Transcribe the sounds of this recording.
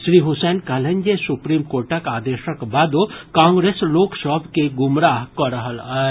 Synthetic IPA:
ʃɾiːɦʊsɛːnkɐlə̃ɲd͡ʒesʊpɾiːmkoːɾʈəkaːd̪eːʃəkbaːd̪okãːŋɡɾeːsloːksəbkeɡʊmɾaːɦkɔɾəɦəlaː

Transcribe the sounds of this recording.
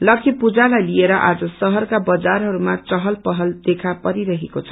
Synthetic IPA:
lʌkʰipud͡zalajlieɾʌʔad͡zʌsʌɦʌrkabʌd͡zarɦʌɾumat͡sʌɦʌlpʌɦʌld̪ekʰapʌɾiɾʌɦekot͡sʰʌ

